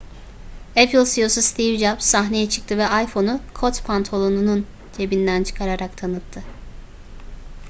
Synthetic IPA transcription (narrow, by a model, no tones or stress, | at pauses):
epʰlˠʲsijo̞sust̪ʰivd͡ʒapsaɦne̞jɛt͡ʃʰɯ̥k̚t̪ʰɯvɛajfo̞nukʰot̪pʰant̪ʰo̞lˠonunun | t͡ʃʰe̞bind̪ænt͡ʃʰɯ̥kʰaɾaɾakt̪ʰanɯt̪ʰːɯ